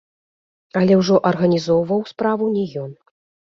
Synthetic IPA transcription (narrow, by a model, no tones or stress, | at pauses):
ɐlʲɛwʐɔʔɐrɣɐnʲizɔwvɐwspɾavunʲɛjɔn